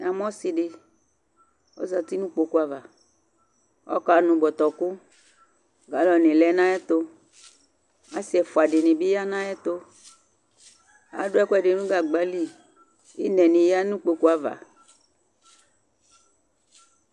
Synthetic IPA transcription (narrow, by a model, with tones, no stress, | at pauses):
a˨m˦ɔ̃˦si˨ɖɪ˨ | ɔ̰˦za˨t̪i˦nũ˦k͡po˨ku˦a˨va˨ | ɔ̰˦ka˨nũ˨bɔ˨t̪ɔ˨kʊ˦ | ɡa˨˦lɔ˨nɪ̃˨lɛ˦nã˦ɛ˦t̪o˦ | a˦si˦ɛ˨fo˨a˨ɖɪ˨nɪ̃˨bi˦ja˦nã˦ɛ˦t̪o˦ | a̰˨ɖʊ˦ɛ˦ku˦ɛ˦˨ɖɪ˨nũ˦ɡa˨ɡ͡ba˦li˦ | i˦nɛ̃˨nĩ˨ja˦nũ˦k͡po˨ku˦a˨va̰˨